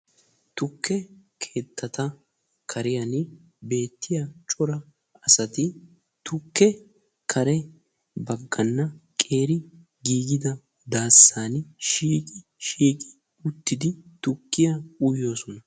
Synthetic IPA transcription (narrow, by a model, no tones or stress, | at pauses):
t̪ʊkʰːɛkʰe̞ːt̪ʰːɐt̪ɐ | kʰɐɾɪjɐn | be̞ːt̪ːɪjat͡ʃʼɔɾɐ | ɐsɐt̪ɪ | t̪ʊkːɛ | kʰɐɾɛ | bɐɡːɐnːɐkʼe̞ːɾɪ | ɡiːɡɪd̪ɐ | d̪aːsːaːnʃiːkʼɪ | ʃiːkʼɪ̥ | ʊt̪ːɪd̪ɪt̪ʊkːɪjɐʊjjo̞ːsɔnɐ